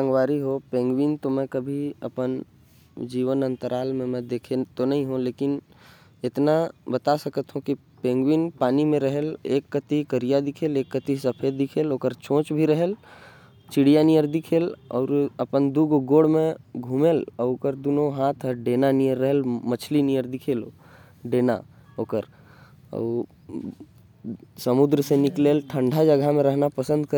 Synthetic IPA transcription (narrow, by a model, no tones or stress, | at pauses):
ə̃ŋɡʋaːɾiɦopẽːŋɡwint̪omẽkəbʱiə̰pən | d͡ʒiːʋənə̃nt̪əɾʔaːlmẽmɛ̃d̪eːkʰet̪onɐɦĩɦũleːkɪn | ɪt̪nabət̪asəkət̪ɦũki | pẽːŋɡwinpaːnimẽɾəɦəlḛːkːət̪ikəɾijad̪ɪkʰeːleːkːət̪isəpʰed̪ɪkʰeːloːkəɾt͡ʃõːt͡ʃbʱiɾəɦel | t͡ʃɪɽijanijəɾd̪ɪkʰeːlɔːɾəpənd̪uɡʱɡoːɽmẽɡʱumeːləkəɾd̪uːnõɦaːt̪ʰəɖeːnanijəɾːəɦəlmət͡ʃʰlinijəɾd̪ɪkʰeːlo | ɖeːna̰ | oːkəɾ | ə̰ | səmʊd̪ɾsenɪkleːlʈʰə̃ɳɖʱad͡ʒəɡʱamẽɾəɦnapəsə̃nd̪̚kə